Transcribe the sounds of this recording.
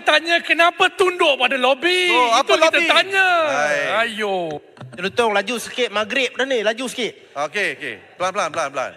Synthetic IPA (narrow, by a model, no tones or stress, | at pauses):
t̪aɲakənapat̪undʊʔpadalobioat̪akliobt̪at̪aɲaaajo | t̪əlut̪ɔŋlad͡ʒusəkɪt̪̚maɡɾɪp̚danilad͡ʒusə̥kɪʔ̪̚okeokḛpəlanplanplanpla̰n